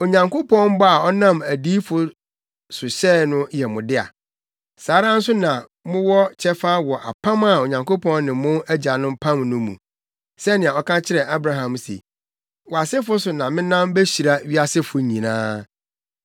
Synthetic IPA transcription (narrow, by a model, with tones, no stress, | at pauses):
o˨ɲã˨ŋkʰo˦pʰɔ̃˦nm˦bɔ˦a˨ɔ˦nã˦mæ˨di˦fʊ˦ | sʊ˨ɕɛ˦˨nʊ̃˦jɛ˨mʊ̃˨dɪ˦a̰˨ | saː˨˦ɾã˦n̩˦sʊ˦nã˨ | mʊ̃˦wɔ˦t͡ɕʰɛ˦fa˦wɔ˨ʔa̰˨pʰã˦ma˨o˨ɲã˨ŋkʰo˦pʰɔ̃˦nnɪ̃˨mʊ̃˦æ˦d͡ʑa˨nʊ̃˦mpʰã˦mnʊ̃˦mṵ̃˨ | sɛ˦nɪ̃˨a˨ɔ˦kʰã˦t͡ɕʰɪ˦ɾɛ˨ʔa˦bɾa˦ɦã˨msḛ˨ | wɔ˨a˨sɪ˦fʊ˦sʊ˨nã˨mɪ̃˦nã˦mbe˦ɕi˨ɾa˦ɥi˦a˦sɪ˦fʊ˨ɲĩ˨nã̰ː˦